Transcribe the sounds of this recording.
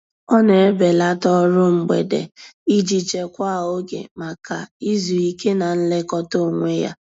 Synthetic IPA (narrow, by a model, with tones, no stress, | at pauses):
ɔ˦ne˨e˦be˨la˦tɔ˦ɾʊ˦ŋ͡m̩˨˦ɡ͡bḛ˨dḛ˨i˦d͡ʒi˨t͡ʃe˨kʷa˦˨o˦ɡḛ˨ma˨ka˨i˦zu˨i˦ke˦na˨n̩˦le˦kɔ˦to˦˨ŋʷe˦ja̰˦